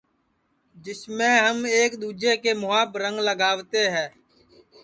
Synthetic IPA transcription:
d͡ʒɪsmẽːɦəmeːkɗ̪uːd͡ʒeːkeːmʊaːbɾəŋɡləɡaːʋt̪eːɦɛː

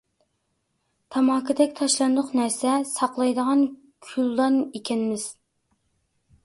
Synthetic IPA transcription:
t̪ʰɑmɑːkʰɨd̪ɛkʲt̪ʰɑʃlˠɑnd̪ʊqnæɾsɛsɑqlˠɑjd̪əʁɑn | kʲʰylːɑnekʲɛnɪmɪz̥

